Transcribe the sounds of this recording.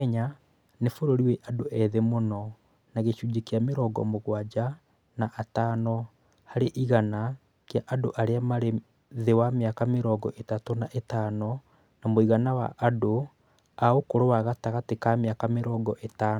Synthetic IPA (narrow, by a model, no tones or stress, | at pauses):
ɲa | nefoɾoɾiwɛʔadoʔɛðemonɔ | naɣeɕuːd͡ʒekeameɾɔːɡɔ̰moɣwad͡ʑa | naʔatanɔ | haɾeʔiɣana | keaʔadoʔaɾeamaɾe | ðewameakameɾɔːɡɔʔetatonaʔetaːnɔ | namoiɣanawa̰ʔːdo | aokoɾowaɣataɣatekameakameɾɔːɡɔʔetaːn